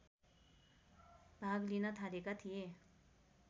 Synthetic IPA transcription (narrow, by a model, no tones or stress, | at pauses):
bʱaɡlinʌt̪ʰalekat̪ʰije